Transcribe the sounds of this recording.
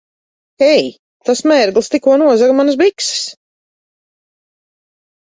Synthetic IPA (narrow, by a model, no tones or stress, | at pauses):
ɛj | t̪asmɛːɾɡlˠst̪ikuɔnuɔzaɡmansbikss